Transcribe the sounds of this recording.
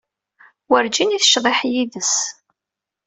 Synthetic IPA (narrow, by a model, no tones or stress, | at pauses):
wəɾd͡ʒiniθə̥ʃðˤeħjiðəs